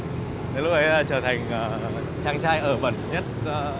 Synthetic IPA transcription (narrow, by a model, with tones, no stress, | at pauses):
nə˨˦lʊ˧k̚ʔə˨˦jːt͡ɕəː˧˩t̪ʰa˨˩jŋ̟ʔaː˨˩ | t͡ɕaː˧ŋt͡ɕaː˧jʔəː˧˩ɓə̰˧˩nɲə˦˥t̚ː